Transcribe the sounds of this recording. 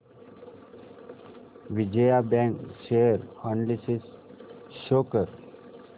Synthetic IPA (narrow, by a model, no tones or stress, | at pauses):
ʋid͡ʒejabɛ̃ŋkʃeəɾɔ̃nlisis | ʃoːkəɾ